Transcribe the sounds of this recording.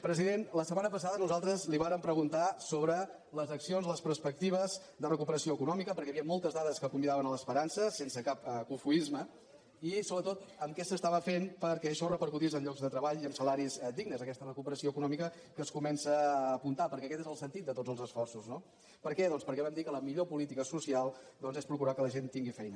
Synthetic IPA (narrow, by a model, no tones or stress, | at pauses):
pɾəziðenləsəmanəpəs̬aðənuzalˠt̪ɾəzliβaɾəmpɾəɣunt̪asoβɾə | ləzəksionzləspəɾspək̚t̪iβ̞əz | d̪ərəkupəɾəsioəkunɔmikəpəɾkɛəβiəmɔlˠt̪əzðaðəskəkumbiðaβənələspəɾansəsensəkapkufuizmə | isoβɾət̪ot̪əmkɛsəst̪aβəfenpəɾkɛəʃɔrəpəɾkut̪isəmʎɔɡzðət̪ɾəβaʎiəmsəlaɾizd̪iɡnəzəkɛst̪ərəkupəɾəsioəkunɔmikə | kəskumɛnsəːpunt̪apəɾkɛəkɛt̪ezəlˠsənt̪it̪̚d̪ət̪od͡zəlˠzəsfɔrsuzno | pəɾkɛðɔnspəɾkɛβɛmd̪ikələmiʎopulit̪ikəsusialˠd̪ɔnzespɾukuɾakələʒent̪iŋɡifɛjnə